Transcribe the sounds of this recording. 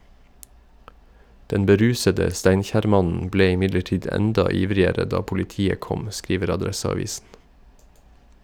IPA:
ˈdɛn bəˈɾʉːsədə ˈstæɪnçæːɾˌmɑnn̩ ˈbleː ɪˈmɪdləˌʈiːd ˈɛndɑ ˈiːʋɾɪəɾə ˈdɑː pʊlɪˈtiːə ˈkɔm ˈskɾiːʋəɾ ɑˈdɾɛsɑˌʋiːsn̩

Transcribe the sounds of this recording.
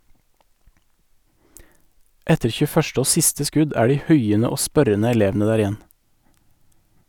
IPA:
ˈɛtəɾ çʉˈfœʃt ˈoː ˈsɪstə ˈskʉd ˈæː ˈɖiː ˈhʉɪənə ˈoː ˈspœɾənə ɛˈleːʋn̩ə ˈdæːɾ ɪˈjɛn

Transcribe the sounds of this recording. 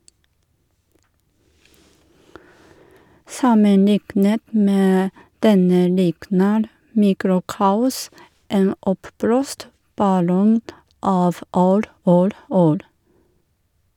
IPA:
ˈsɑməˌnɪknət ˈmeː ˈdɛnə ˈlɪknəɾ ˈmiːkɾʊˌkɑːʊs ˈeːn ˈɔpˌbloːst bɑˈlɔŋ ˈɑːʋ ˈuːɾ ˈuːɾ ˈuːɾ

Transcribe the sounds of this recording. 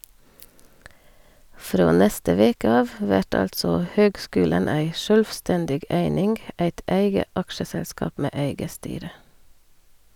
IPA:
ˈfɾoː ˈnɛstə ˈʋeːkə ˈɑːʋ ˈʋæʈ ˈɑltsɔ ˈhøːɡˌskʉːlən ˈæɪ ˈʃœlʋˌstɛndɪɡ ˈeɪnɪŋɡ ˈæɪt ˈæɪɡə ˈʔɑkʃəˌsɛlˌskɑːp ˈmeː ˈeɪɡə ˈstyːɾə

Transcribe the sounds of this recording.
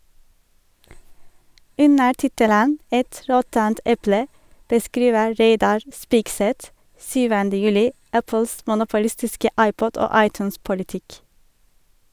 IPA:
ˈʉnə ˈʈɪtələn ˈɛt ˈɾɔtənt ˈɛplə bəˈskɾiːʋə ˈɾeɪdɑɾ ˈspɪkˌsɛt ˈsyːʋəndə ˈjʉːlɪ ˈæpəls mʊnʊpʊˈlɪstɪskə ˈɑɪˌpɔd ˈoː ˈɑɪˌtʉːnspʊlɪˌtɪk

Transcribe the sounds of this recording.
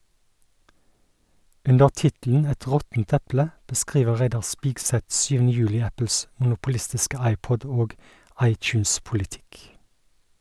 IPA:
ˈʉndəʁ ˈtɪtl̩n̩ ˈɛt ˈʁɔtn̩t ˈɛplə bəˈskʁiːʋə ˈʁæɪdɑʁ ˈspiːɡˌsɛt ˈʃyːʋn̩ə ˈjʉːlɪ ˈæpl̩s mʊnʊpʊˈlɪstɪskə ˈɑɪˌpɔd ˈoːɡ ˈɑɪtˌçʉːnspʊlɪˌtɪk

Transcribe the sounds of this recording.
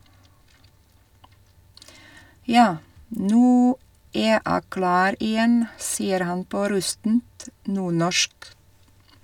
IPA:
ˈjɑː ˈnʉː ˈeː ˈæː ˈklɑːɾ ɪˈjɛn ˈsiːəɾ ˈhɑn ˈpoː ˈɾʉstn̩t ˈnuːɳɔʃk

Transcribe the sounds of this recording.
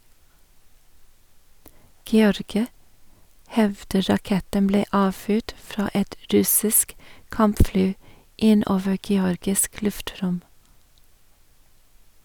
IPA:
ɡɛˈɔɾɡɪɑ ˈhɛʋdə ɾɑˈkɛtəm ˈbleː ˈɑːˌfyːʈ ˈfɾɑː ˈɛt ˈɾʉsɪsk ˈkɑmpˌflyː ˈɪn ˈoːʋə ɡɛˈɔɾɡɪsk ˈlʉfˌtɾʊm

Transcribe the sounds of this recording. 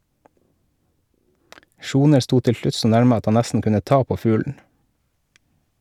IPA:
ˈʃuːnəɾ ˈstuː ˈtɪl ˈʃlʉt ˈsoː ˈnæɾmə ˈɑt ˈhɑn ˈnæstn̩ ˈkʉnə ˈtɑː ˈpoː ˈfʉːln̩

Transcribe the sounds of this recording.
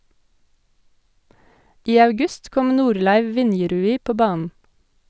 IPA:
ˈʔiː ɑʉˈɡʉst ˈkɔm ˈnuːɾlæɪʋ ˈʋɪnjɛɾʉːiː ˈpoː ˈbɑːnən

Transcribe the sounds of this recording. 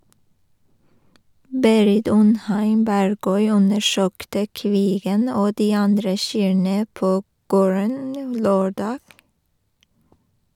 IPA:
ˈbeːɾɪt ˈʉnˌhæɪm ˈbæɾˌɡœʏ ˈʉnəˌʃøːktə ˈkʋiːɡən ˈoː ˈdiː ˈɑndɾə ˈʃyːɳə ˈpoː ˈɡoːɹən ˈløːˌɖɑːɡ

